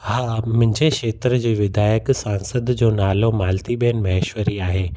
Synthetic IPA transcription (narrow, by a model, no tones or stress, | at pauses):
haːmʊ̃ɦɪ̃ɲd͡ʑeʃeːt̪ɾd͡ʑiːʋɪd̪ʱaːjəksãːnsəd̪d͡ʑoːnaːlomaːlt̪iɓeənmɐɪʃwəɾiaːɦeː